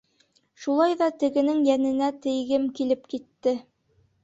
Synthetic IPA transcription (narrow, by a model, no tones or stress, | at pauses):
ʃulˠɑjðɑt̪ɘ̆ɡɘ̆nɘŋjænɘ̆næt̪ɘ̆jɡɘmkilɘpkit̪ːɘ